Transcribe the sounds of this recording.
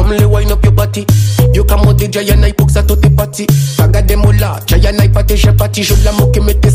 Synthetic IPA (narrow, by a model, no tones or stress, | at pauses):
ɔm̩lɛwajnɔpjɔbatijokamɔd̪ed͡ʒajanaipɔksat̪ot̪epatikaɡadɛmola̰d͡ʒajanaipat̪ɛʃɛpatiʃoblamokemɛt̪ɛ